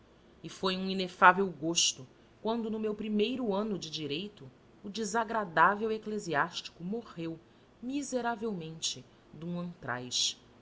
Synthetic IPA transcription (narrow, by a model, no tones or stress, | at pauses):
ɪfojũinefavewɡoʃt̪ʊ | kwɐ̃nd̪ʊnʊmewpɾimejɾʊɐ̃nʊd͡ʒɪd͡ʒiɾejt̪ʊː | d͡ʒɪzaɡɾad̪avewekleziaʃt͡ʃi̥kʊmoʁew | mizeɾavewmẽnt͡ʃɪ | d̪ũɐ̃nt̪ɾa̰jʃ